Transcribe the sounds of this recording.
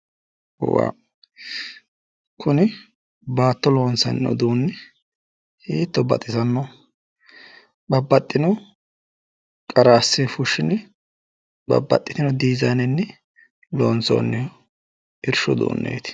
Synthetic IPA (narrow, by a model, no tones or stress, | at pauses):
wa̰ː | kʰʊnɪ | baːt̪ːɔloːnsɐ̰nːɔ̰d̪uːnːɪ | hiːt̪ːɔbɐ̰t̪ʼːɪzɐnːɔ | bɐbːɐt̪ʼːɪnɔ | kʼɐɾasːɛfʊʃːɪnɛ | bɐ̰bːɐ̰t̪ʼːɪt̪ɪnɔd̪iːzanɪnːɛ | loːnt͡so̰ːnːɛɔ | ɪɾʃɔ̰d̪ṵːnːḛːt̪ɪ̥